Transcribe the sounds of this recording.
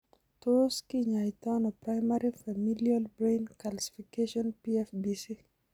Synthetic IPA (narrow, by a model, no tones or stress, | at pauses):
toskiɲaitanɔpɾajmaɾifamilialbɾejnkalsi̥fikeʃɔnpiɛfbisi